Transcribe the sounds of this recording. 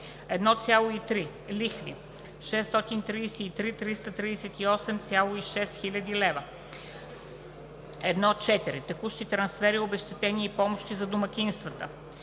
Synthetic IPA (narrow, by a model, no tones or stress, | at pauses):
ɛd̪nɔt̪sʲjalˠʊit̪ɾi | lʲixvʲḭ | ʃɛst̪ɔt̪int̪ɾiːsɛit̪ɾit̪ɾist̪ət̪ɾid̪ɛsɛt̪iɔsɛmt̪sʲalˠʊiʃɛst̪xilʲɐd̪ilɛvə | ɛd̪nɔtt͡ʃɛt̪iɾit̪ɛkuʃt̪it̪ɾɐnsfɛɾiobɛʃt̪ɛt̪ɛniipɔmoʃt̪izɐd̪omɐkʲinst̪vət̪ə